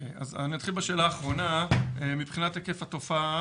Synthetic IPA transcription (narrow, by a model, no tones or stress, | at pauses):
a̰zanimad̪χilbeʃe̞ːlaːχʁo̞naemipχinatakefat̪o̞fa